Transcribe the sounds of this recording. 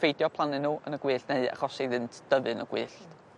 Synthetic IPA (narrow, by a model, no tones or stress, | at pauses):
fejdjɔpʰlˠanɪnuːə̰nəɡwiːɬneɨa̰χɔsiðɨntʰd̥əvɨnə̰ɡ̥wiːɬt